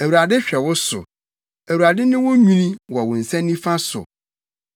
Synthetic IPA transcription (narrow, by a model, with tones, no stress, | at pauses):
æ˨wu˨ɾa˨dɪ˦ɕᶣɛ˨wʊ˦sʊ̰˨ | æ˨wu˨ɾa˨dɪ˦nɪ̃˦wʊ̃˦ɲũ˦nĩ˦wɔ˨wʊ̃˨n̩˨sɛ̃˦nːĩ˦fã˦sʊ̰˨